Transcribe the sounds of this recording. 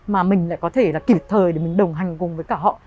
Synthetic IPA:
maː˨˩mï˨˩ŋ̟la̰ː˧˨jkɔ˨˦t̪ʰe˧˩laː˨˩ki˨˧˩p̚t̪ʰəː˨˩jɗe˧˩mï˨˩ŋ̟ɗə˨˩wŋ͡mɦa˨˩jŋ̟kʊ˨˩ŋ͡mvəː˨˦jkaː˧˩ɦɔ̰˧˨

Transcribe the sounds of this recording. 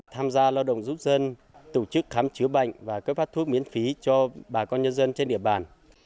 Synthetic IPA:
t̪ʰaː˧mzaː˧laː˧wɗə̰˧˨wŋ͡mzu˦˥t̚zə˧n | t̪o˧˩t͡ɕɨ˦˥k̚xaː˨˦mt͡ɕɨ˨˦əɓa̰˧˨jŋvaː˨˩kəː˦˥faː˦˥t̪̚ʰu˦˥k̚mi˨˦ənfi˨˦t͡ɕɔ˧ɓaː˨˩kɔ˧nɲə˧nzə˧nt͡ɕe˧nɗḭ˧˨əɓaː˨˩n

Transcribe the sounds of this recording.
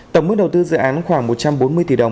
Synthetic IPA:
t̪ə˧˩ŋ͡mə˦˥k̚ɗə˨˩wt̪ɨ˧zɨ̰˧˨ʔaː˨˦nxwaː˧˩ŋmo˨˩t̚t͡ɕa˧mɓo˨˦nmɨ˧əjt̪i˧˩ə˨˩wŋ͡m

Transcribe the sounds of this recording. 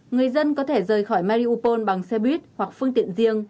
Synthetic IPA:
ŋɨ˨˩əjzə˧nkɔ˨˦t̪ʰe˧˩zəː˨˩jxɔ˧˩jmaː˧ɾi˧ʔu˧po˧nɓa˨˩ŋsɛ˧ɓwi˦˥t̚hwa˨˩k̚fɨ˧əŋt̪ḭ˧˨ənzi˧əŋ

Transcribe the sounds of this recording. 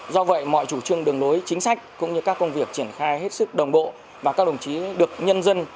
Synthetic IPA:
zɔ˧və̰˧˨jmɔ̰˧˨jt͡ɕu˧˩t͡ɕɨ˧əŋɗɨ˨˩əŋlo˨˦jt͡ɕï˨˦ŋ̟sa˦˥jk̟̚kʊ̰˧˥ŋ͡mɲɨ˧kaː˦˥kːə˧wŋ͡mvi˨˩ək̚t͡ɕi˧˩ənxaː˧jɦe˦˥t̚sɨ˦˥k̚ɗə˨˩wŋ͡mɓo̰˧˨ | vaː˨˩kaː˦˥k̚ɗə˨˩ŋ͡mt͡ɕi˨˦ɗɨ˨˩ək̚ɲə˧nzə˧n

